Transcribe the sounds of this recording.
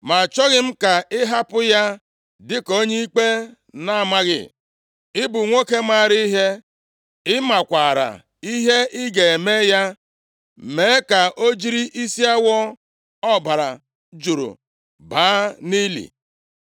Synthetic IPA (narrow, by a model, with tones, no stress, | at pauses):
ma˨t͡ʃɔ˦ɣɪ˦m̩˦ka˨ɪ˦ɦa˦pʊ˦ja˦ | dɪ˦ko˦ɲe˦i˦k͡pe˦ | na˦a˨ma˦ɣɪ̰˦˨ | ɪ˦bʊ˨ŋʷo˦ke˦ma˦˨ɾi˦i˦ɦe˦ | ɪ˦ma˨kʷa˨ɾa̰˨ | i˦ɦe˦ʔɪ˦ɡe˨e˨me˦ja˦ | me˨˦ka˨ʔo˦d͡ʒi˦ɾi˦ʔi˦si˦a˦wɔ˦ | ɔ˦ba˨ɾa˨ | d͡ʒu˨ɾo̰˨ | baː˨˦ni˦lḭ˨